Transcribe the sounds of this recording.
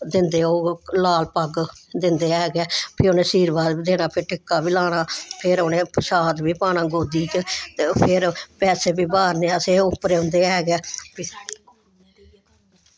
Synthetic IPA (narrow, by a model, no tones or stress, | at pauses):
d̪ɪnd̪eːoːlaːlpəɡd̪ɪnd̪eːɛːɡɛːpʰɪɾoːnẽːsiːɾbaːd̪biːd̪eːnaːpʰɪɾʈɪkːaːbiːlaːnaːpʰɪɾoːnẽːʃaːd̪biːpaːnãːɡoːd̪iːt͡ʃt̪eːpʰɪɾpɛːseːbiːbaːɾneːaːseːʊpːɾeːʊ̃nd̪eːɛːɡɛː